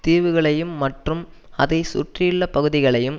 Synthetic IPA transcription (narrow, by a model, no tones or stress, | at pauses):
t̪iːʋɯɣɐɭɐjɯmːɐʈrɯm | ɐðɐɪsʊ̰ʈrɪjɪɭːɐpɐɣɯðɪɣɐɭɐjɯm